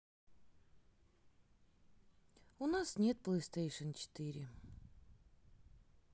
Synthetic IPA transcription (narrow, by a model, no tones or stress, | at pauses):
ʊnasnʲe̞t̪̚plˠəjst̪ejʂənt͡ɕɪ̥t̪ɨɾʲɪ